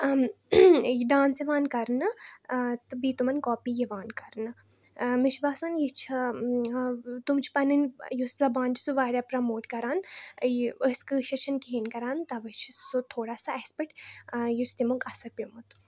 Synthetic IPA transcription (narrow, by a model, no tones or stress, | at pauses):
jid̪aːnsiʋaːnkɐɾnɨ | t̪ɨbiːt̪umɐnkɔːpijiʋaːnkɐɾnɨ | miʃbaːsanjit͡ʃʰɐ | t̪umt͡ʃʰi̥pɐnɨnjuszɐbaːnt͡ʃi̥suʋaːɾʲaːpɾɐmoːʈkɐɾaːn | əskɨːʃʰɐt͡ʃʰɐnkiɦinkɐɾaːnt̪ɐʋɐt͡ʃʰisut̪ʰoːɽaːsaespəʈjust̪imukɐsɐpʲumut̪